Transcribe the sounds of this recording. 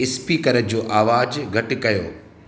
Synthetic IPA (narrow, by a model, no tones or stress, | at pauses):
ɪspikɐɾəd͡ʑoːʔaːʋaːd͡ʑɡʱɐʈɪ̆kɐjo̰ː